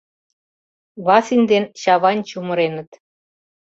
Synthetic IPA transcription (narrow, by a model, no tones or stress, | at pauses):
βɑsinʲd̪enɕɑβɑnʲt͡ɕumə̆ɾenə̆t̪